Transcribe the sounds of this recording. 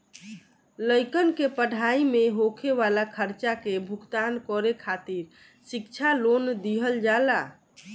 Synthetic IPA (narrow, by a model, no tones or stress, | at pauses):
ləjkənkepəɽ̤ʱaimeɦokʰeβalakʰəɾt͡ʃakebʱukt̪ankɔɾekʰat̪iɾ | sikt͡ʃʰalond̪iɦəld͡ʒala